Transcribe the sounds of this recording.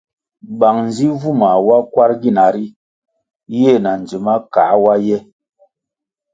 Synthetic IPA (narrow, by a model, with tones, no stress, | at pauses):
ɓa˨ŋn˨zi˦vu˦˨ma˨wa˦kwa˦ɾɡi˦˨na˨ɾi˦ | je˦˨na˨n˨d͡ʒi˨ma˦ka˨˦wa˦jɛ˦